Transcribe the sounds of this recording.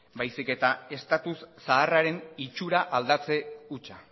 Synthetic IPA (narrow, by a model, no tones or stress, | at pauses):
bajsike̞t̪ae̞st̪at̪usːaːraɾe̞nit͡ʃuɾaʔald̪at͡se̞ut͡ʃa